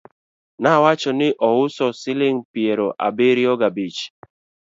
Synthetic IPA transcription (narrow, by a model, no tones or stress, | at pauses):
nawat͡ʃɔnɪʔɔwʊsɔsɪlɪŋ̩pieɾɔʔa̰beɾiɔɡabit͡ʃi̥